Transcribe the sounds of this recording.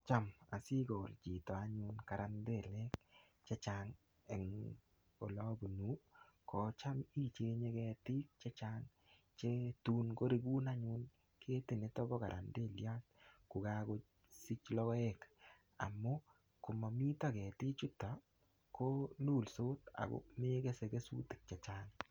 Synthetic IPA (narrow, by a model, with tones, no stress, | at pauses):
t͡ʃa˦ma̰˨si˦ɡo˨ld͡ʒi˨tɔ˨a˨ɲʊ˧nka˨ɾa˨nde˦˨lɛ˦k | t͡ʃa˦t͡ʃa˦ŋ | ɛ˨ŋ | o̰˨lɔ˦bu˨nu˨˦kɔ˨t͡ʃa˦mi˦t͡ʃe˦ɲe˦kɛ˧ti˦k̚t͡ʃt͡ʃa˦ŋ | t͡ʃe˦tu˦nɡo˦ɾe˦ɡu˦na˦ɲʊ˦n | kʰe˦te˨ne˦tɔ˦bɔ˦ka˨ɾʔa̰˨nde˦˨lja˦t̚kʊ˨ka˦ko˦ | si˦t͡ʃlɔ˦kɔ˦e˦k | a̰˨mʊ˦ | kʊ˨mɔ˨mi˦tɔ˦˨kɛ˨ti˦t͡ʃu˦tɔ˨ | ko˦luː˦˨lsoː˦ta̰˨kʊ̰˦k̚me˦ke˦se˨ke˦sṵ˦tɪ̥˨k̚t͡ʃa˨t͡ʃaː˦ŋ